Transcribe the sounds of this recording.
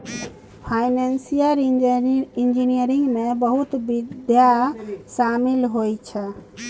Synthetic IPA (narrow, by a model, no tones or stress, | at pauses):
pʰajnensijəɾ | ind͡ʒinijəɾiŋɡmebəɦut̪bid̪jasamilɦojt͡ʃʰɛ